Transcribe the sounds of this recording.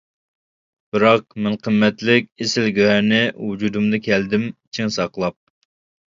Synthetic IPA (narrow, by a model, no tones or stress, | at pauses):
b̥ɨɾɑq̚mɛnqʰəmːɛt̪lɪkʲesɪlɡʲøɦɛnɪwud͡ʒud̪umd̪ɑkʲʰɛld̪ɪmt͡ʃʰiŋsɑqlˠɑp̚